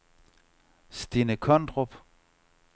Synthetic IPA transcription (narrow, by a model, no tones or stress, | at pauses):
sd̥inəkʰɔnd̥ʁob̥